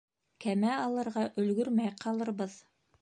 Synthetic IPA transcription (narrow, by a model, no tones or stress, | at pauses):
kæmæɑlˠɤ̆ɾʁɑʔɵ̆lɡɵɾmæjqʰɑlˠɤ̆ɾbɤð